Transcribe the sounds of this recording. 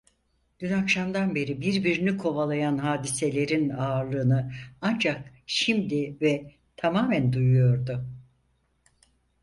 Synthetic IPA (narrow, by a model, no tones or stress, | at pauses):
d̪̥ynakʃamd̪anbe̞ɾibiɾbiɾinikʰo̞valˠajanɦaːd̪ise̞lʲe̞ɾinaːɾlˠɯːnɯand͡ʒak | ʃimd̪ivɛ | t̪ʰamaːmænd̪ujujo̞ɾd̪ʊ